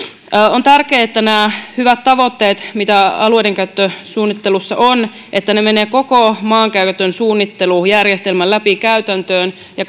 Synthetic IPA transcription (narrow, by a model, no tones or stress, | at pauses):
ont̪ærkeːet̪ːænæːhyʋæt̪t̪ɑʋo̞t̪ːe̞ːt̪mit̪æɑluejdeŋkæyt̪ːøsuːnːit̪ːelusːɑʔon | ʔet̪ːæneme̞neːkokomɑːŋkæyt̪ːønsuːnːit̪ːelujærjest̪elmælːæpikæyt̪ænt̪øːn | jɑ